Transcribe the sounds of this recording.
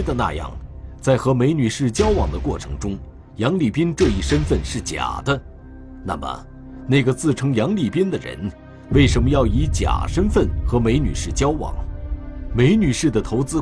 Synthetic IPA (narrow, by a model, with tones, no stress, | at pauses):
d̪ə˧na̰˥˧jɑ̰˥˩ŋt͡sa˥˩ɪxɤ˧˥me˧˥ɪny˨˩ʂɻ̩˥˩t͡ɕjɑ˥ʊwɑ˨˩ŋd̪ə˦kwɔ˥˩ʈ͡ʂʰɤ̰˧˥ŋʈ͡ʂʊ˥ŋ | jɑ˧˥ŋli˨˩pi˥nʈ͡ʂɤ˥˧i˥˩ʂə˥nfə˥˧nʂɻ̩˥˩t͡ɕja̰˨˩d̪ə˦ | na̰˥˩mə̰˩ | ne˥˩ɡə˩t͡sɹ̩˥˩ʈ͡ʂʰɤ˥ŋjɑ˧˥ŋli˨˩pi˥nd̪ə˨ɻə̰˧˥n | we˥˩ɪʂə˧˥nmə˧jɑ˥˩ʊi˧˥t͡ɕja̰˨˩ʂə˥nfə˥˩nxɤ˧˥me˧˥ɪny̰˨˩ʂɻ̩˥˩t͡ɕjɑ˥ʊwɑ̰˨˩˦ŋ | me˧˥ɪny˨˩ʂɻ̩˥˩d̪ə˩t̪ʰo˧˥ʊt͡sɹ̩˥